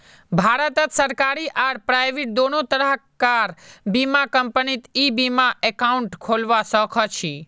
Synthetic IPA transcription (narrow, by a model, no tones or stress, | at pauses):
bʱaɾət̪ət̪səɾkaɾiʔaɽpɾajʋiʈ̚d̪onot̪əɾəkaɾbimakəmpənit̪ibimãʔɛkauɳʈkʰolʋasɔkʰɔt͡ʃʰi